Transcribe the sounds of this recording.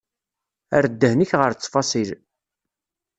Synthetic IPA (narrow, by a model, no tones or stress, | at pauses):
æ̰ɾd̪ːəhniçʁəɾt͡sːfɑsˤil